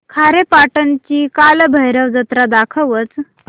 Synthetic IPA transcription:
kʰaɾepaʈənt͡ɕiːkalbʱəɦjɾəʋd͡zət̪ɾad̪akʰəʋət͡s

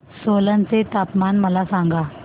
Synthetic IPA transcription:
solant͡set̪apmanməlasãŋɡa

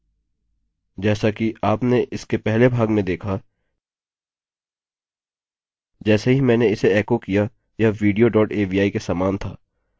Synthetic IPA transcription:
d͡ʒɛːsakiaːpneʔɪskepɛɦlebʱaːɡmẽd̪eːkʰa | d͡ʒɛːsaɦimɛ̃ːneɪseɛːkokija | jaʋiːɖijoɖɔːʈeːʋiːaːikesaːmaːnt̪ʰaː

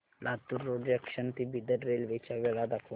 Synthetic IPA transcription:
lʔat̪uɾːoɖəkʂənt̪ibid̪əɾɾelʋet͡ʃaʋɛlad̪akʰ

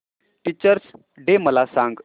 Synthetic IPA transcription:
ʈit͡ɕəɾs | ɖeməlasãŋɡ

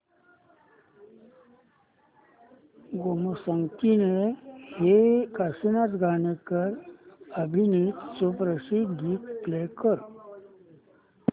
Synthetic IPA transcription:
ɡoməsəŋkinehekasinat̪ɡʱanekəɾəbʱinit̪sopɾəsiɡ̪ʱiːt̪plekəɾ

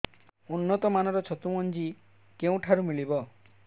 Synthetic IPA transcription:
unːɔt̪ɔmanɔɾɔt͡ʃʰɔt̪umɔnd͡ʒi | keũʈʰaɾumilibɔ

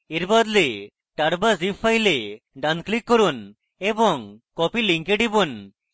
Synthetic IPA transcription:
eɾbad̪le | ʈaɽbazipʰːajle | ɖanklikːɔɾun | ebɔŋkɔpiliŋkeɖibun

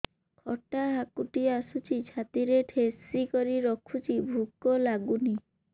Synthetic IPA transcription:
kʰɔʈaɦakuʈiasut͡ʃʰit͡ʃʰat̪iɾeʈʰesikɔɾiɾɔkʰut͡ʃʰibʱukɔlaɡuni

